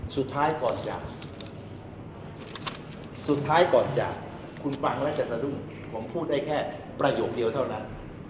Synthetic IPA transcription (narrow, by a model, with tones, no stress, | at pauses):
su˨˩t̪ʰːaː˦˥jkɔː˨˩nt͡ɕa̰ː˨˩k̚ | su˨˩t̪ʰːaː˦˥jkɔː˨˩nt͡ɕa̰ː˨˩kʰː | u˧nfa˧ŋlɛ˦˥t͡ɕa˨˩t̪̚sa˧du˥˩ŋ | kʰo˩˦mpʰuː˥˩t̪̚da˥˩jkʰɛː˥˩ | pɾa˧joː˨˩k̚di˧əwt̪ʰa˥˩wna˦˥n